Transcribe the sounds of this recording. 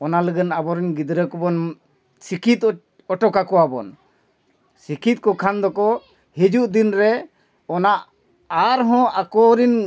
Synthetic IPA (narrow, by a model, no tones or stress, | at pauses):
ɔnaləɡənabɔɾinɡid̪ɾəkɔbɔn | sikʰit̪ | ɔʈɔkakɔwabɔ̰n | sikʰit̪̚kɔkʰand̪ɔkɔ | hid͡ʒuʔd̪inɾɛ | ɔnaʔ | aɾɦɔ̃ʔakɔɾin